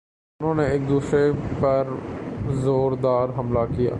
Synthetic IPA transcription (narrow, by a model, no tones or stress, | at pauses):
ʊnõːneɪk̚d̪uːsɾepɐɾzoːɾd̪aːɾɦɐmlakɪja̰ː